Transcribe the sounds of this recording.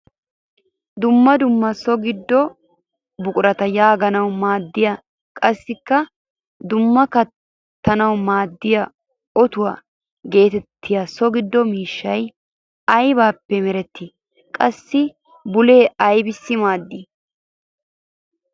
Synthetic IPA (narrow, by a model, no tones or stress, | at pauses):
d̪ʊmːɐd̪ʊmːɐsɔɡɪd̪ːɔ | bʊkʼʊɾɐt̪ɐjaːɡɐnɐwmaːd̪ːɪjɐ | kʼɐsːɪkːɐ | d̪ʊmːɐkɐ | t̪ːɐnɐwmaːd̪ːɪjɐ | ɔt̪ʊwa | ɡe̞ːt̪ɛt̪ʰːɪjɐsɔɡɪd̪ːɔmiːʃːɐj | ɐjbaːpːɛmɛɾɛt̪ːɪ | kʼɐsːɪ | bʊle̞ːɐjbɪsːɪmaːd̪ːi